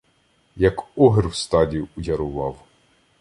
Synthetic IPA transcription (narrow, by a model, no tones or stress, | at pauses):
jɐkɔɦɪrwst̪ɑdʲijuujʲɐɾʊʋɑw